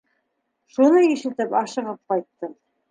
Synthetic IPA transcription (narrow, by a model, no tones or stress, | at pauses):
ʃunɤjiʃɘ̆t̪ɘpɑʃɤ̆ʁɤp̚qɑjt̪ːɤm